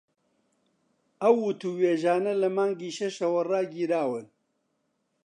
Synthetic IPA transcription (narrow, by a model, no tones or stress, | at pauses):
ɐwːʊt̪uweːʒaːnɐlɐmaːŋɡiːʃɐʃɐwɐraːɡiːɾaːwɨn